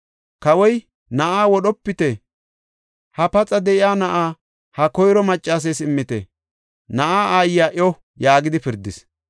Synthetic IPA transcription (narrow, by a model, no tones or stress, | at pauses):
kɐwɔj | nɐʔaːwɔɗɔpːɪt̪ɛ | hɐpɐt͡sʼɐd̪ɛʔɪaːnɐʔaː | hɐkɔjɾɔmɐt͡ʃʼːaːs̬eːsɪmːɪt̪ɛ̰ | nɐʔaːʔaːjɪjaːʔɔ | jaːɡɪd̪ɪpɪɾd̪ːɪs